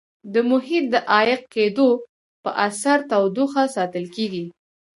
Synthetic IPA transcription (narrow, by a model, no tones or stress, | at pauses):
d̪əmʊhit̪̚d̪əʔɑjɪqked̪o | pə̰ʔasaɾt̪awd̪uxasɑt̪əlkeɡi